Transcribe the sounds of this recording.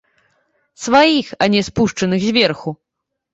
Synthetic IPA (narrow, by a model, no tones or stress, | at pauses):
svajixanʲɛspuʂt͡ʂɐnɨɣzʲvʲɛrxu